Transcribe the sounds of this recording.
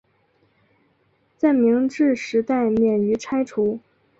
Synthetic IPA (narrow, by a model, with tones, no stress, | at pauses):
t͡sa˥˩ɪmi˧˥ŋʈ͡ʂɻ̩˥˩ʂɻ̩˧˥t̪a˥˩ɪmjɛ˨˩ny˧˥ʈ͡ʂʰa˥ɪʈ͡ʂʰu˧˥